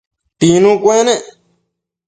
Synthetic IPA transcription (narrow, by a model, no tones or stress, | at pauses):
t̪inũkʷẽnẽʔ